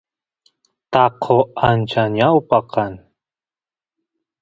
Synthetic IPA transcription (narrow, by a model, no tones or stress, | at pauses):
t̪aqʰoant͡ʃanjawpaqan